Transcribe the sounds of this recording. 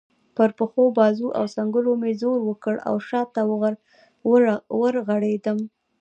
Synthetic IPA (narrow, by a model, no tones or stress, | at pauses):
pəɾpəxobɑzuʔa̰wsaŋɡʊlomezoɾwəkəɽa̰wʃɑt̪ːa | wəɾɣaɽed̪əm